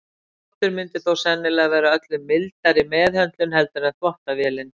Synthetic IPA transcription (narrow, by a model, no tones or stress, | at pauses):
ɔht̪ʏɾmɪnt̪ɪθowsɛnːɪlɛɣvɛɾʏaœt̪lʏmːɪlt̪aɾɪmɛːðhœnt̪lʏnhɛlt̪ʏɾɛðθvɔht̪avjɛːlɪn